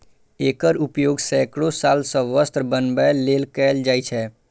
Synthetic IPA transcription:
ekəɾupjoɡsɛkɽosalsə̃ʋəst̪ɾbənbɛlelkɛld͡ʒajt͡ʃʰɛ

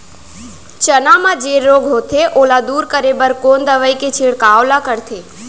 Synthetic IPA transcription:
t͡ʃənamãd͡ʒeɾoːɡɦot̪ʰeʔolad̪uːɾkəɾebəɾkoːnd̪əʋəiket͡ʃʰeɽkaːʋlakəɾt̪ʰe

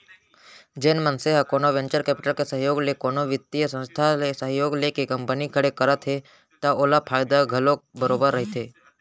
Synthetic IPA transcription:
d͡ʒeːnmənseɦakoːnoʋẽɲt͡ʃəɾkɛːpɪ̥ʈəlkesəɦjoːɡlekoːnoʋɪt̪ːijəsə̃nst̪ʰalesəɦjoːɡlekekə̃mpənikəɽekəɾət̪ɦe | t̪aoːlapʰaːjɪd̪aɡʱəlobəɾoːbəɾːəɦit̪ʰeː

